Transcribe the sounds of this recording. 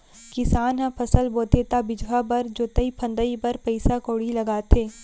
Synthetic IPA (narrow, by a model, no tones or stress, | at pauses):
kɪsaːnɦãpʰɐsəlboːt̪eːt̪abɪd͡ʒʋabɐɾd͡ʒoːt̪əipʰɐ̃nd̪əipɐɾpɐɪsakoːɽilɐɡaːt̪eː